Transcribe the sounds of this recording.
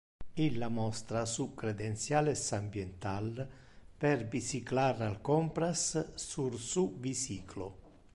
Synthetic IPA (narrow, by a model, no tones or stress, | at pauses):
ilːamɔst̪ɾasukɾed̪ent̪sjalesambjent̪al | perbisiklaɾalkɔmpɾasːursuvisiːkʰlo